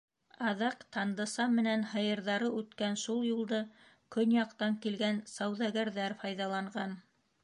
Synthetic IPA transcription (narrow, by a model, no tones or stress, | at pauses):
ɑðɑqt̪ɑnd̪ɤ̆sɑmɘ̆nænhɤ̆jɤ̆ɾðɑɾɤʉt̪kænʃulˠjulˠd̪ɤ | kɵnjɑqt̪ɑŋkilɡænsɑwðɑɡæɾðæɾfɑjðɑlˠɑɴɢɑn